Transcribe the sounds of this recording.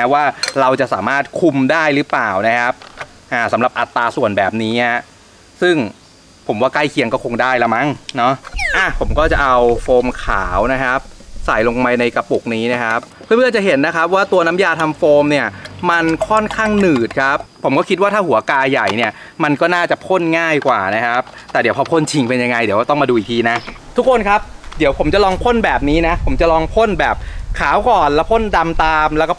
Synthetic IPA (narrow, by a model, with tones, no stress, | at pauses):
a˥waː˥˩ɾa˧wt͡ɕa˨˩ʔsa̰ː˩˦maː˥˩t̪̚kʰu˧mdaː˥˩jɾɯ˦˥plaː˨˩wna˦˥kʰa˦˥p̚ | ʔaː˨˩sa˩˦mɾa˨˩p̚ʔa˨˩t̪ːaː˧su˨˩ənbɛː˨˩p̚niː˦˥a˦˥˩ | sɯ˥˩ŋ | pʰo˩˦mwaː˥˩kla˥˩jkʰi˧əŋkɔː˥˩kʰo˧ŋdaː˥˩jlɛ˦˥ma˦˥˩ŋnɔ˦˥ʔa˧˩pʰo˩˦mkɔː˥˩t͡ɕa˨˩ʔa˧wfoː˧mkʰa̰ː˩˦wna˦˥kʰa˦˥p̚sa˨˩jlo˧ŋma˧jna˧jka˧pu˨˩k̚niː˦˥na˦˥˩kʰa˦˥p̚ʰːɯ˥˩mɯ˥˩ɐt͡ɕa˨˩ɦe˩˦nːa˦˥kʰa˦˥p̚waː˥˩t̪u˧ɐna˦˥mjaː˧t̪ʰa˧mfoː˧mni˥˩ɐma˧nkʰɔ˥˩nkʰaː˥˩ŋnɯː˨˩t̪̚kʰa˦˥pʰːo˩˦mkɔː˥˩kʰi˦˥t̪waː˥t̪ʰaː˥˩hu˩˦ɐ˦kaː˧ja˨˩jni˥˩ɐ | ma˧nkɔː˥˩naː˥˩t͡ɕa˨˩pʰo˥˩nŋaː˥˩jkwaː˨˩na˦˥kʰa˦˥p̚t̪ɛː˨˩di˩˦wpʰɔː˧pʰo˥˩nt͡ɕʰi˧ŋpe˧nja˧ŋa˧jdi˨˦kːt̪ɔ˥˩ŋmaː˧duː˧i˨˩t̪ʰiː˧na˦˥t̪ʰu˦˥kʰːo˧nkʰa˦˥p̚di˨˩˦əwpʰo˩˦mt͡ɕa˨˩lɔː˧ŋpʰo˥˩nbɛː˨˩p̚niː˦˥na˦˥pʰo˩˦mt͡ɕa˨˩lɔː˧ŋpʰo˥˩˨nbɛː˨˩p̚kʰaː˩˦wkɔː˨˩nlɛː˦˥wpʰo˥˩nda˧mt̪aː˧mlɛ˦˥kɔː˥˩